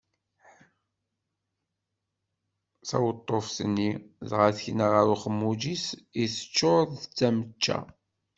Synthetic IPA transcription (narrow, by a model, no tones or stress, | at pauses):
sæ̰wət̪ˤːofsənːiðʁaθçnaʁəɾuχəmːud͡ʒisiθə̥t͡ʃːoððət͡sːæmət͡ʃːæ̰